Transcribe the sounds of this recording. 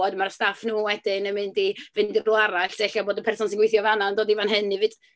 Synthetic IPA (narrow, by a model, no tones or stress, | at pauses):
ɔdmaɾstafnuːwɛdɪnəmɪndivɪndɪrblʊwaɾaɬd̥ɛɬaboːdəpʰɛrsɔnsɪnɡwɪjθjɔvanandoːdivanɦɨnɪvɨd̥